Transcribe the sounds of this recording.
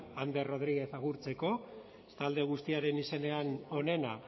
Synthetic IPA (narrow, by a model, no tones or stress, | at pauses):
and̪e̞ro̞ð̞ɾiɣe̞θaɣuɾt͡se̞ko̞ | st̪ald̪e̞ɣ̞ust̪iaɾe̞nise̞ne̞ano̞ne̞na